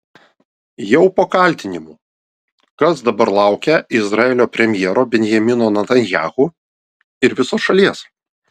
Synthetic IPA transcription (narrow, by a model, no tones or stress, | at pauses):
jɛʊpoːkɐˑlʲt̪ʲɪnʲɪmu | kɐsd̪ɐbɐɾlˠɑˑʊkʲɛɪzɾɐɛlʲoːpʲɾʲɛmʲjɛɛɾoːbʲɛnʲjɛmʲɪnoːnɐt̪ɐnʲjæːɣuː | ɪɾʋʲɪsoːsʃɐlʲiɛs